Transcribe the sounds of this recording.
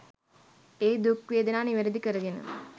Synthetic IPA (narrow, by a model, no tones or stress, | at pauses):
eːd̪ukʋeːd̪ənaːniʋeɾəd̪ikəɾəɡenə̰